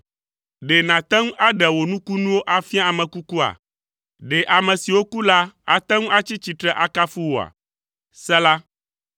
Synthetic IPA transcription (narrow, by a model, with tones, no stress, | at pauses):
ɖe˨nã˨t̪ɛ̃˦ŋũ˦ʔa˦ɖɛ˨wo˨nũ˦ku˦nũ˦wo˦ʔa˨fi˦a˦a˨mɛ̃˨ku˦ku˦a̰˨ | ɖe˨ʔa˨mɛ̃˨si˨wo˦ku˦la˦a̰˨t̪ɛ̃˦ŋ˦a˦t͡ɕi˦t͡ɕi˨t̪ɾɛ˦ʔa˦ka˦fu˦wo˨a̰˨ | sɛ˦la˦